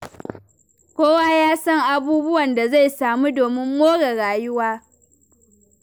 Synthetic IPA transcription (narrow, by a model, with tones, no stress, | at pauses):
kʷoː˦waː˦jaː˦sɐ˦ŋʔa˦buː˦bʊ˦wɐ˨nda˨za˦˨jsaː˨muː˦doː˨mɪ˦mːoː˦ɽe˨ɽaː˨jʊ˦waː˦